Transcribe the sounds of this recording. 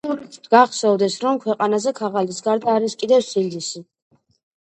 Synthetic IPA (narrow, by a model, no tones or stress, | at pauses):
d̪ɡaχsɔvd̪ɛsɾɔmkʰwɛqʼanazɛkʰaʁalisɡaɾd̪aːɾiskʼid̪ɛvsild̪isi